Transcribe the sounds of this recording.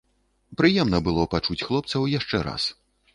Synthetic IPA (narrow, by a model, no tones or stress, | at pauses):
pɾɨjɛmnɐbɨlˠɔpat͡ʂut͡sʲxlˠɔp̚t̪sɐwjaʂt͡ʂɛɾa̰s